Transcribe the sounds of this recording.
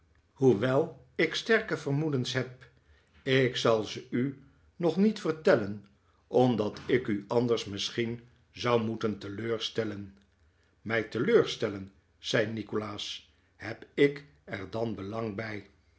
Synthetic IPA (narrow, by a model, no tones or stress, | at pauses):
huʋɛlˠ | ɪkstɛɹkəvərmudənsɦɛp̚ | ɪksɑlˠzəy | nɔχnitfəɹtɛlən | ʔɔmdɑtʰɪkyɑndəɹsməsχin | zɑwmutəntəløːɹstɛlən | mɛjtəløːɹstɛlən | z̥ɛjnikolaːs | hɛpɪk | ɛɹdɑnbəlɑŋbɛj